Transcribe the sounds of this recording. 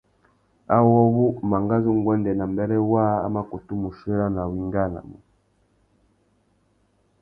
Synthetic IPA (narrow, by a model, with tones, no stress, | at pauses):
a˦wɔ˦βu˦ma˨ŋɡa˦zu˦ŋ˦ɡwɛ˦ndɛ˨na˨mbɛ˦ɾɛ˦wa˦a̰˦ma˦ku˨tu˦mu˨ʃɛ˦ɾa˦na˨wi˦ŋɡa˦na̰˨m˨